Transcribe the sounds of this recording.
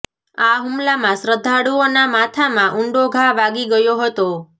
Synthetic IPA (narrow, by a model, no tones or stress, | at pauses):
aɦumlamãsɾəd̪ʱːaɽuonamat̪ʰamãʔʊɳɖoɡʱaʋaɡiɡəjoɦət̪o